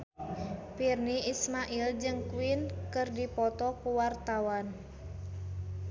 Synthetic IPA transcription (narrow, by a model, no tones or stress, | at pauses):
pirniismaʔild͡ʒɨŋkuwinkɨrdipɔt̪ɔkuwart̪awan